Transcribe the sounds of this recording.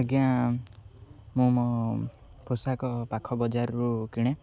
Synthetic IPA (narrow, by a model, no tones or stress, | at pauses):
ɡjã | mũmɔ | pʰosakɔpakʰɔbɔd͡ʒaɾɾukiɽ̃e